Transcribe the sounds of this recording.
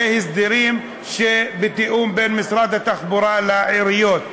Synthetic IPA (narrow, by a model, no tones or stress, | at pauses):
ehisd̪iɾim | ʃebet̪iʔumbenmisɾad̪hat̪aχbuɾalaʕiɾijot̪